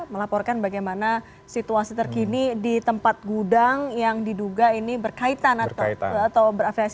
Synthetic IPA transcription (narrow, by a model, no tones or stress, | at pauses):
məlapɔrkanbaɡajmana | sit̪uasit̪ərkinidit̪əmpat̪̚ɡudaŋjaŋdiduɡainibərkait̪anaat̪awbəɾafias